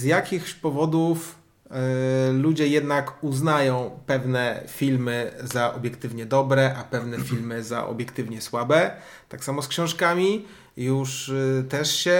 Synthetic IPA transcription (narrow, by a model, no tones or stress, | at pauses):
zjakʲixɕpɔvɔd̪uf | lud͡ʑɛjɛd̪nakuznajɔ̃w̃pɛvnɛfʲilmɘzaʔɔbʲjɛkt̪ɘvɲɛd̪ɔbɾɛʔapɛvnɛfʲilmɘza̰ʔɔ̰bʲjɛkt̪ɘvɲɛswabɛ | t̪aksamɔskɕɔ̃w̃ʂkamʲi | juʂt̪ɛʂɕɛ